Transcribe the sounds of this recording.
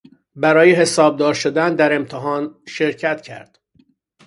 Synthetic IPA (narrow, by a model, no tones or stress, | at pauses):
bæɾɒːjeɦe̞sɒːb̚d̪ɒːɾʃod̪ænd̪æɾe̞mt̪ʰeɦɒːnʃe̞ɾcʰæt̪cʰæ̰ɾd̪̥